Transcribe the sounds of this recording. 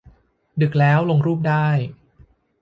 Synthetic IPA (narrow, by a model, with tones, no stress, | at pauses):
dɯ˨˩k̚lɛː˦˥wlo˧ŋɾuː˥˩p̚daː˥˩j